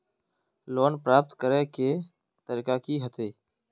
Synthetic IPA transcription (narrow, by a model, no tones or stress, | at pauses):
loːnpɾaːp̚t̪kəɾeːkeː | t̪əɾikaːkiːɦət̪ʰeː